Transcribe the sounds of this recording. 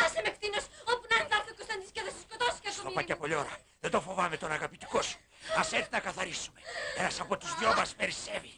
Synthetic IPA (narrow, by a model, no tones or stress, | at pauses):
ɐsɐmekt̪inosopunɐðaɾθɐkost̪ɐ̃nd̪iskɐðɐsi̥skot̪osi̥kɐot̪opɐkɐpoʎoɾɐ | ðed̪ofo̞vɐmet̪onɐɣɐpit̪i̥kosu̥ | ɐseθnɐkɐθɐɾisume̞enɐsɐpot̪uzðjomɐspe̞ɾisevi